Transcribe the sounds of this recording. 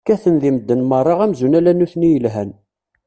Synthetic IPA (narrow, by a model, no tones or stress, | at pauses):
kːæθənðiməd̪ːənmərˤːɑʁæmzunælænːuθnijəlɦæn